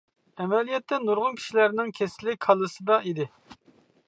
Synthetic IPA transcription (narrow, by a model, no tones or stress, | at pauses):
ɛmɛlijɛt̪ːɛnuɾʁʊnkʲʰi̥ʃilæɾnɪŋkʲʰesɪlːɪkʲʰɑlˠɨsɨd̪ɑid̪ɪ